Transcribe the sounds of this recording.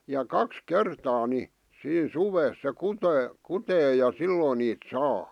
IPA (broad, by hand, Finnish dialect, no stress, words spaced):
jɑ kɑks kertɑː ni siːn suʋeːs se kuteː kuteː jɑ silːoˑn niːt sɑː